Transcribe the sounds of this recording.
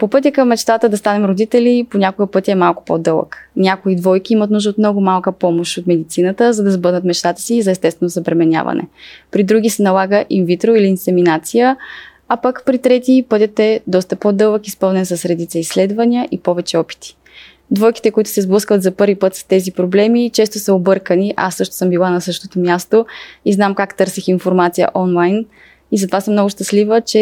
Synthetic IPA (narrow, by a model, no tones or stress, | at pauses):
popɤt̪ʲəkəmːɛt͡ʃt̪at̪əd̪ɐst̪anɛmɾod̪it̪ɛliponʲakoɡəpɤt̪ʲiɛmalˠkʊ̥po̰d̪ɤlˠə̰knʲakoid̪vɔjk̟iimɐt̪nuʒd̪əot̪mnɔɡʊmalˠkəpɔmoʃt̪ot̪mɛd̪it̪sinət̪əzɐd̪ɐzbɤɾnət̪mɛt͡ʃt̪at̪ə̥sizɐɛst̪ɛst̪vɛnozɐbɾɛmɛnʲa̰vɐ̰nɛ̰pɾid̪ɾuɡ̟ʲisɛnɐlˠaɡəʔimvit̪ɾoiliːnsɛminat̪sijə | apəkpɾit̪ɾɛt̪ipɤt̪ʲət̪ɛd̪ɔst̪əpod̪ɤlˠəkispɤlˠnɛnsɐsɾɛd̪it̪səisːlɛd̪vɐniəʔipɔvɛt͡ʃɛɔpi̥t̪i̥ | d̪vɔjki̥t̪ɛkoʊit̪ʊ̥sɛzblˠɤskvət̪zɐpɤɾvipɤt̪st̪ɛzipɾoblɛmit͡ʃɛst̪osɐobɤɾkəniʔasːɤʃt̪o̥sɤmbilˠanɐsɤʃt̪ot̪omʲjast̪oiznamkakt̪ɤɾsixinfoɾmat̪sijə̰ʔɔnlˠajn | izɐt̪ovasəmnɔɡʊʃt̪əslivət͡ʃɛ